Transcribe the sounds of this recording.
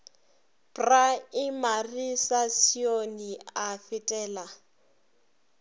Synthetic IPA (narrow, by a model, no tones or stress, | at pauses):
pʼraɪmarisasioniafɪtʼɛːla